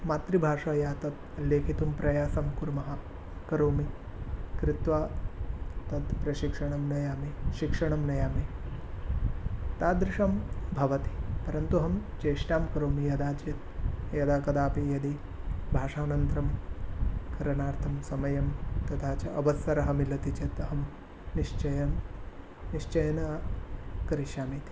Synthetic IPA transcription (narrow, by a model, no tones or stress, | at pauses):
maːt̪ɾibʱaːʂajaːt̪ɐt̪ | leːkʰit̪umpɾɐjaːsɐmkuɾmɐɦɐ | kɐɾoːmi | kɾɪt̪ʋaː | t̪ɐd̪pɾɐʃikʂɐɳɐmnɐjaːmiʃikʂɐɳɐmnɐjaːmi | t̪aːd̪ɾɪʂɐmbʱɐʋɐt̪i̥pɐɾɐnt̪uɦɐmt͡ʃeːʂʈaːmkɐɾoːmijɐd̪aːd͡ʒjɐt̪̚jɐd̪aːkɐd̪aːpijɐd̪i | bʱaːʂaːnɐnt̪ɾɐm | kɐɾɐnaːɾt̪ʰɐmsɐmɐjɐmt̪ɐt̪ʰaːt͡ʃɐʔɐʋɐsɐɾɐɦɐmilɐt̪it͡ʃɐt̪ɐɦɐm | niʂt͡ʃɐjɐm | niʂt͡ʃɐjɐnɐ | kɐɾiʃjaːmit̪i̥